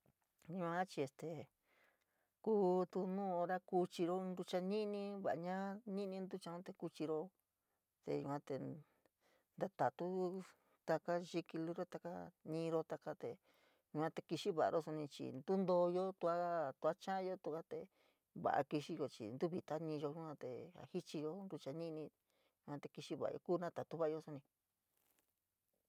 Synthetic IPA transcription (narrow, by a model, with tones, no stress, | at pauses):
ɲĩ˧ã˧˦t͡ʃi˧e˧st̪e˨ | kuː˦t̪u˧nũː˦˧o˧ɾa˦ku˧t͡ʃi˧ɾo˦˧nd̪u˧t͡ʃa˧nĩ˦nĩ˧βa˨ʔa˧ɲã˦nĩ˦nĩ˧nd̪u˦t͡ʃã˧ũ˦t̪e˧ku˧t͡ʃi˧ɾo˧ | t̪ḛ˧jũ˧kʷã˧t̪e˧ | nd̪a˧t̪a˨t̪u˦ | t̪a˧ka˦ʒi˧ki˧lu˧˦ɾo˦t̪a˧ka̰˦nĩː˧ɾo˧t̪a˧ka˧t̪e˧ | ju˧ã˧t̪e˧ki˧ʃi˦βa˨ʔa̰˧ʔo˦so˧nĩ˧t͡ʃḭ˨nd̪u˦nd̪o˧jo˦t̪u˧a˦t̪u˧a˦t͡ʃã˦jo˦t̪u˧ka˦t̪e˧ | βa̰˨ʔa̰˧ki˧ʃi˧jo˧t͡ʃḭ˨nd̪u˦βi˨t̪a˦nĩ˧ʒo˧ɲu˧˦ã˧t̪e˨a̰˨hi˦t͡ʃi˧jo˧nɾu˧t͡ʃa˧nĩ˦nĩ˧ | ju˧kʷã˧t̪e˧ki˧ʃi˦βa̰˨a̰˧o̰˧kuː˦˧nã˦t̪a˨t̪u˦βa˦ʔjo˧so˧nĩ˧